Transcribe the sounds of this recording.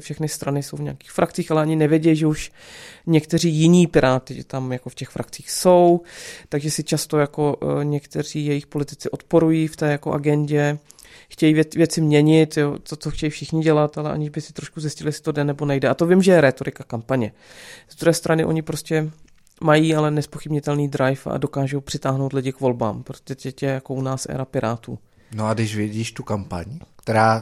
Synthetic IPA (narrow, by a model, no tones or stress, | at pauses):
fʃɛxnɪst̪ɾanɪsowvɲɛaki̥ːxfɾʔak̚t͡siːxalɛaɲɪnɛvjɛɟɛjiʒɛuʃ | ɲɛkt̪ɛr̝iːjɪɲiːpɪɾaːt̪ɪʒɛ̰t̪amjako̞fcɛxfɾʔak̚t͡siːxso̞wt̪aɡʒɛsɪt͡ʃast̪o̞jako̞ɲɛkt̪ɛr̝̥iːjɛjɪxpo̞lɪt̪ɪt͡sɪʔo̞t̪po̞ɾujift̪ɛːjako̞̰ʔa̰ɡɛɲɟɛ | xcɛjiɛvjɛt͡sɪmɲɛɲɪt̪jot̪ot͡soxcɛjifʃɪxɲɪɟɛlat̪alɛʔa̰ɲɪʒbɪsɪt̪ɾo̞ʃkuzjɪscɪlɪjɛsɪ̥t̪o̞dɛnɛbo̞nɛjdɛʔat̪o̞vɪmʒɛjɛɾɛːt̪o̞ɾɪkakampaɲɛ | zd̪ɾuɦɛːst̪ɾʔanɪʔo̞ɲɪpɾo̞scɛ | majiːalɛnɛspo̞xɪbɲɪt̪ɛlniːd̪ɾajfa̰do̞kaːʒo̞wpr̥ɪt̪aːɦno̞wt̪lɪɟɪkvo̞lba̰ːmpɾot̪oɛtɛcɛjako̞ʔunaːsʔɛ̰ɾapɪɾaːt̪ṵː | noadɪʃvɪɟiːʃt̪ukampa̰ɲkt̪ɛɾaː